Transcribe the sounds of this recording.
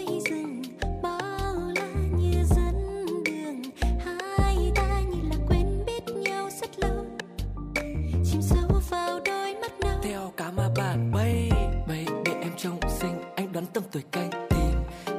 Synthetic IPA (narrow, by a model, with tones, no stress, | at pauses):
ə˧jzɨ˨˩ŋ | ɓɔ˧˩la˧˦ɲɨ˧zə˨˧˦nɗɨ˨˩əŋhaː˧˦jʔaː˧ɲɨ˧˩nlaː˨˩kwɛ˧nɓi˦˥ət̚ɲə˧wzə˦˥t̚lə˧w | t͡ɕi˧msə˨˦wvəː˨˩wɗo˧jmə˦˥t̚na˨˦t̪ʰɛ˧wkaː˨˦maː˧˩ɓa̰ː˧˨nɓə˧˩jɓə˧˩˨jɗḛ˧˩ʔɛ˧mt͡ɕə˧wŋ͡msï˧ŋ̟ʔa˧jŋ̟ɗwaː˨˦nt̪ə˧mt̪ə˨˩jka˧jŋt̪i˨˩n